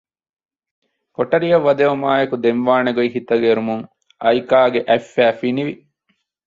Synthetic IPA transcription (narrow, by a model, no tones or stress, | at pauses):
koʈɐɾijɐʋːɐd̪eʋɐmaːjɐkud̪enʋaːneɡoiɦit̪ɐɡeɾumuŋ | ɐjkaːɡeʔæfːæːfiniʋi